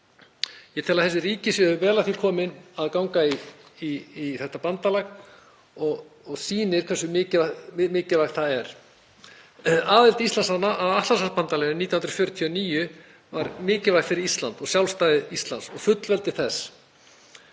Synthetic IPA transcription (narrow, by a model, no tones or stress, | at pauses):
jɛt̪ʰɛlaðθɛsɪriːcɪsjɛʏvɛːlat̪ʰilkʰɔːmɪnaðkawŋkaiiiθɛht̪ːapant̪alaɣ | ɔɣ | ɔɣsiːnɪɾ̥kʰvɛsʏmɪːcamɪːcɪlvaxt̪θaðɛɾ̥ | aːðɪlt̪ist̪lansanaʔːvaht̪ansaspant̪alaɣniːjahʏnɾḁfjœɾʏt̪ʰiɔniːjʏ | vaɾmɪːcɪlvaɣfɪɾɪɾist̪la̰nt̪ɔɣsjawlst̪aːjðɪist̪lansɔɣfʏt̪lvɛlt̪ɪ̥θɛs